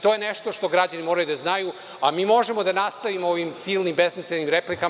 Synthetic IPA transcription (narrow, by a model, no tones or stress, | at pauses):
t̪o̞jeneʃt̪oʃt̪o̞ɡɾad͡ʑanimoɾajud̪aznaju | amiːmo̞ʒemo̞d̪anast̪aʋimooʋimsiːlˠnimbesmislenimɾeplika